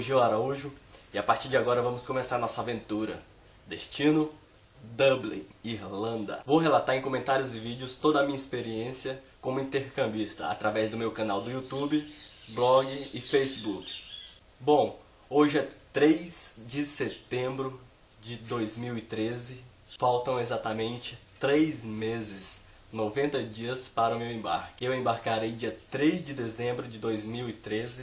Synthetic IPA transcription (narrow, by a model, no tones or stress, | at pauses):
oʒiwaɾauʒʊɪapaɾt͡ʃiɾd͡ʒɪaɡɔɾɐvɐ̃mʊskõmesaɾanɔsɐavẽnt̪uɾɐ̰ | d̪est͡ʃĩnʊ | d̪ɐblḭ̃iɾlɐ̃nd̪ɐ̰vowɦelat̪aɾẽkõmẽnt̪aɾijʊzɪvid͡ʒɪʊst̪od̪ɐmĩɲispeɾiẽsiɐkõmʊĩnt̪eɾkɐ̃mbjist̪ɐ̰a̰t̪ɾavɛzd̪ʊmewkɐnawd̪ʊiut̪ubɪblɔɡɪːfejsɪbuk | bõw̃ | oʒɪɛt̪ɾejzd͡ʒɪset̪ẽmbɾʊ | d͡ʒɪd̪ojzmiwɪt̪ɾezɪ | fawt̪ɐ̃w̃ezat̪amẽnt͡ʃɪ̥t̪ɾejzmezɪs | novẽnt̪ɐd͡ʒiɐspaɾɐʊmewẽba̰ɾkɪewẽbaɾkaɾejd͡ʒiɐt̪ɾezd͡ʒɪd̪ezẽmbɾʊd͡ʒɪd̪ojzmiwɪt̪ɾezɪ